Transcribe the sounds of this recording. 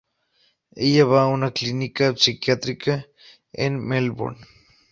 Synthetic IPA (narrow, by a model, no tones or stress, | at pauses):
ijaβaunaklinikapsikjat̪ɾika | ḛnmelbo̰n